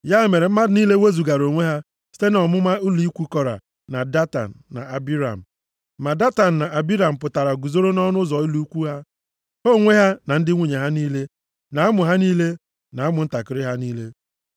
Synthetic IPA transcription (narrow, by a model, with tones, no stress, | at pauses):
ja˦˨me˨ɾe˨m̩˦ma˦dni˦le˦we˦zu˨ɡa˨ɾo˨ŋʷe˦ɦa˦ | si̥˦te˦nɔ˨mʊ˦ma˦u˦li˦kʷu˦kɔ˨ɾa̰˨ | na˨da˦ta̰˨n̩ː˨a̰˨a˨bi˦ɾa̰˨m̩˨ | ma˨da˦ta˨n̩˨na˨ʔa˨bi˦ɾa˨m̩˨p̬ʊ˨ta˨ɾa˨ɡu˨zo˦ɾo˦nɔ˦nʊ˦zɔ˨i˦lu˦u˦kʷu˦ɦa˦ | o˦˨ŋʷe˦ɦa˦na˨n̩˦dɪ˦ŋʷu˨ɲe˨ɦa˦niː˦le˦ | na˨˦a˦mʊ˨ɦa˦niː˦le˦ | na˨a˦mʊ˨n̩˦ta˨kɪ˨ɾɪ˦ɦa˦niː˦le˦